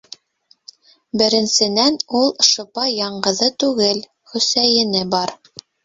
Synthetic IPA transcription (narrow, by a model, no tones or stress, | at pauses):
bɘ̆ɾɘ̆nsɘ̆nænulˠʃŏpɑjɑɴɢɤ̆ðɤt̪ʉɡɘl | χɵ̆sæjɘ̆nɘbɑɾ